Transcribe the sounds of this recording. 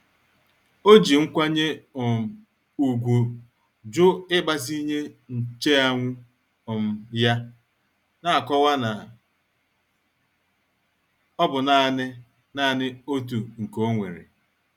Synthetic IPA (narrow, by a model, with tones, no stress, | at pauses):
o˦d͡ʒi˨ŋ̩˦kʷa˦ɲe˦ʊ˨m̩˨ | u˨ɡʷu˨ | d͡ʒʊ˦ɪ˦ba˦zi˦ɲe˦n̩˨t͡ʃe˦a˦ŋʷʊ˦ | ʊ˨m̩˦ja˦ | na˦a˨kɔ˦wa˦na˨ | ɔ˦bʊ˨na˨nɪ˦ | na˦a˨nɪ˦o˦tu˨ŋ̩˨ko˦ŋʷḛ˨ɾḛ˨